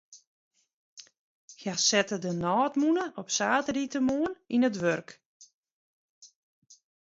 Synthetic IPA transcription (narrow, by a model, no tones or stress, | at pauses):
hjasɛtədənɔːtmunəʔɔpsaːtritəmoəninətʋørk